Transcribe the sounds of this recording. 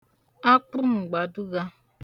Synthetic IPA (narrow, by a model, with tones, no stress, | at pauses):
a˦k͡pʊ˦m̩˨ɡ͡ba˨du˦ɣa˦